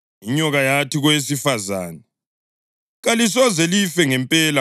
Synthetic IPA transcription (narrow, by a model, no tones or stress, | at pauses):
iɲɔɣajatʰiɣwesifaza̰ːnɛ | ɣalis̬ɔzɛlifɛŋɛmpʼɛla